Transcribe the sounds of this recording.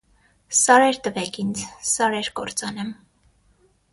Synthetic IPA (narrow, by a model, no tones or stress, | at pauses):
sɑɾɛɾt̪əvɛkʰind͡zsɑɾɛɾkɔɾt͡sɑnɛm